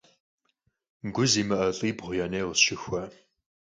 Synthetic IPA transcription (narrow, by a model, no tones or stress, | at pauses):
ŋɡʷʊziːmɐʔɐɬʼiːbʁʷʊjɐneːʁəsʃɪxʷɐ